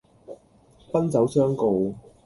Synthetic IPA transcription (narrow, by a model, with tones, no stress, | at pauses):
pɐ˥nt͡sɐ˨˥wsœː˥ŋko˨w